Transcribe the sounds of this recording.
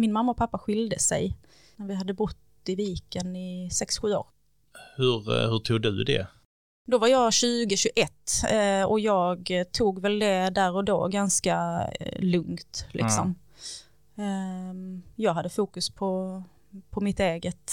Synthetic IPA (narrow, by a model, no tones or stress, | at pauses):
mɪnmamːaɔpʰapːaɧɪld̪əsɛ̰j | næɾvɪɦad̪ːəbʊt̪ː | ɪviːkənɪsɛksɧʉ̟ːo̰ːɾ | hɵɾhɵʈʰuːɡ̚dɵ̰d̪ɛ̰ | d̪ɔvaɾjɑːɕʉ̟ːɡəɕɵʔɛt̪ːɔjɑːɡt̪ʰuːɡvɛld̪ɛd̪æɾɔd̪o̰ːɡanska | lɵŋt̪lʔɪ̰ksɔm | jɑːɡɦad̪ːəfuːkɵspʰɔ | pʰɔmɪt̪eːɡət̪